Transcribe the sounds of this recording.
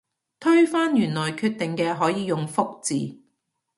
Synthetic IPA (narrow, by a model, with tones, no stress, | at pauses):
t̪ʰɵ˥ɥfaː˥njyː˨˩nlɔː˨˩jkʰyː˧t̚t̪ɪ˨ŋkɛː˧ɦɔː˨˥jiː˨˧jʊ˨ŋfʊ˥k̚t͡sḭː˨